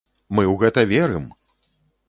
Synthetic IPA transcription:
mɨwɣɛt̪ɐvʲɛɾɨm

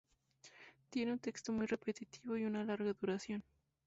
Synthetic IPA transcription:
t̪je̞neunt̪e̞kst̪o̞mujre̞pe̞t̪it̪iβo̞iunalaɾɣaðuɾasjo̞n

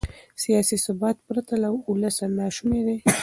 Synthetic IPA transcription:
sijɑsisʊbɑt̪̚pɾat̪alawʊləsalːɑʃumeɾe

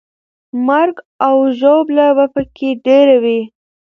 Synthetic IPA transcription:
maɾɡ | awʒoblabapəkʰeɖeɾawi

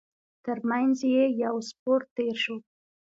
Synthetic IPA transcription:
t̪əɾmanzjejawspoɾt̪ːeɾʃo

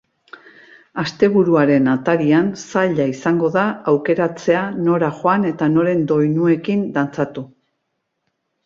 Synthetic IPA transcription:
ast̪e̞βuɾuaɾe̞nat̪aɾiansaʎaisaŋɡo̞ðaːwke̞ɾat͡se̞ano̞ɾaʝoane̞t̪ano̞ɾe̞nd̪o̞jnue̞kind̪ant͡sat̪u

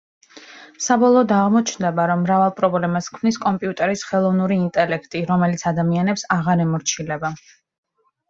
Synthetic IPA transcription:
sabɔlˠɔːd̪aʁmɔt͡ʃʰnd̪ɛbaɾɔmːɾavalˠpʼɾɔblɛmaskʰmniskʼɔmpʼiut̪ʼɛɾisχɛlˠɔvnuɾiːnt̪ʼɛlɛkʰt̪ʼiɾɔmɛlit̪sʰad̪amianɛpsaʁaɾɛmɔɾt͡ʃʰilɛba

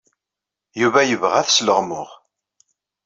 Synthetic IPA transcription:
juvæjəvʁæθsləʁmʊ̰ʁ

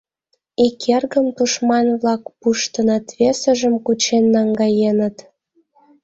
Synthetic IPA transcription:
ikʰerɣəmt̪uʃmɑnβlɑkpuʃt̪ə̆nɤt̪βesə̆ʒə̆mkut͡ɕenːɑŋɡɑjenə̆t̪

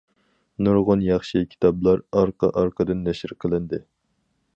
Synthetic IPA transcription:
nuɾʁʊnjɑχʃikʲʰi̥t̪ʰɑblˠɑɾɑɾqɑ̰ʔɑɾqʰəd̪ɨnːɛʃɪɾqʰəlˠɪnd̪ɪ

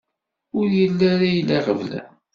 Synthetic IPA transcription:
ʊɾjəlːaɾajəlːaʁəvlæ̰

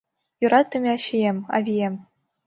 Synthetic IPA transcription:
jŭɾɑt̪ʲːɘ̆mʲɑɕijemʲɑ̰vʲijemʲ

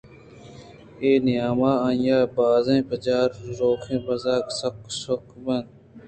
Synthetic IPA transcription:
eːnɪjaːmaːajaːbaːzẽːpɐd͡ʒaːɾɾoːkʰẽːbɐzaːksɐksokbɐnd̪

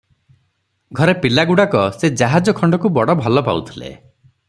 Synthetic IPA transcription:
ɡʱɔɾepilaɡuɽakɔsed͡ʒaɦad͡ʒɔkʰɔɳɖɔkubɔɽɔbʱɔlɔpa̰ut̪ʰilḛ

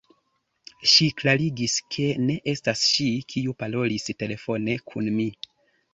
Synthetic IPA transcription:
ʃiklaɾiɡiskʰe̞ne̞ʔe̞stasʃikʰiupalo̞liste̞le̞fo̞ne̞kʰunmi

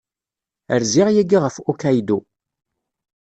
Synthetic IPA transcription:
ə̰ɾziʁjæɡiʁəfukæjd̪u

